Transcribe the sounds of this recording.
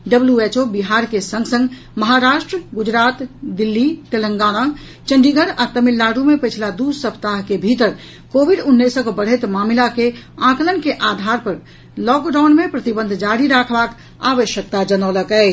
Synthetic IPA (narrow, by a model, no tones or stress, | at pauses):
ɖəbljuet͡ʃobiɦaɾkesə̃ŋɡsə̃ŋɡ | məɦaɾaʃʈɾɡud͡ʒɾat̪d̪ilːit̪eləŋɡana | t͡ʃə̃ɳɖiɡʱəɾat̪əmilːaɽumepət͡ʃʰlad̪usəpʰt̪aɦkebʱit̪əɾ | kobʱiɖunːesə̃kbəɽ̤et̪mamlakeãkələnkeʔad̪ʱaɾpəɾ | lɔkɖaʊnmepɾət̪ibənd̪ʱd͡ʒaɽiɾakʰbak | a̰ʋəʃjək̚t̪ad͡ʒənɔləkɛ